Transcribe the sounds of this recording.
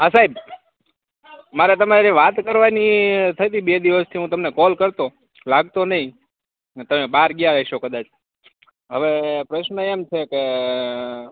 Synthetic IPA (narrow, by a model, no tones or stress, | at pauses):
əsaib | maɾet̪əmaɾiʋat̪kəɾʋanit̪ʰəjt̪ibed̪iʋəst̪ʰiɦũt̪əmnekɔlkəɾt̪o | laɡ̚t̪onəɦĩ | t̪əmebaɾɡjaɾɛɦiʃokəd̪at͡ʃʰ | ɦəʋepɾəʃnəemt͡ʃʰeke